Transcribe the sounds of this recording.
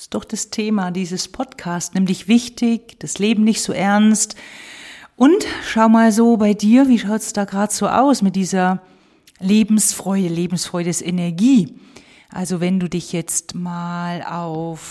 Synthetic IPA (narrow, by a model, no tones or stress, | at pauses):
ɪstd̥ɔχd̥astʰeːmadiːzəspʰɔtkʰaːstnɪmdɪçv̥ɪçtɪçd̥asleːbm̩nɪçtz̥oːʔɛɐnst | ʔʊntʃaʊmaːlzoːbaɪdiːɐviːʃaʊtsd̥aːɡʁaːdz̥oːʔa̰ʊsmɪt̚d̥iːzɐ | leːbm̩sfʁ̥ɔʏdəleːbm̩sfʁ̥ɔʏdəsʔɛnɛɐɡiː | ʔa̰lzovɛnduːdɪçjɛt͡stmaːla̰ʊf